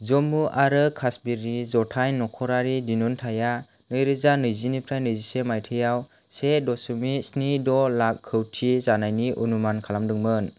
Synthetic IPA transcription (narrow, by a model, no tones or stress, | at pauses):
zɔmuʔaɾɯkʰasbiɾizɔtʰajnɔkʰɔɾaɾidinuntʰaja | nɯjɾɯzanɯjzinipʰɾajnɯjzisemajtʰɯjaw | sedɔsumisnidɔlakʰːɯwtʰizanajniʔunumankʰalamdɯŋmɯn